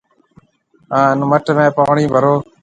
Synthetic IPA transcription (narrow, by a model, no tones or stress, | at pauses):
ãːɪnməʈmẽːpəʋɳĩːbʱəɾoː